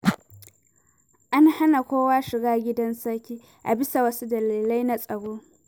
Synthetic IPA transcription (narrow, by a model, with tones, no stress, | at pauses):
ʔa˦nha˦na˨kʷoː˦waː˦ʃɪ˨ɡaː˦ɡʲɪ˦dɐ˦nsɐ˦kʲiː˦ | ʔa˨bɪ˦sa˨wɐ˦su˦dɐ˨liː˨la˦jna˦sʼɐ˨ɽoː˦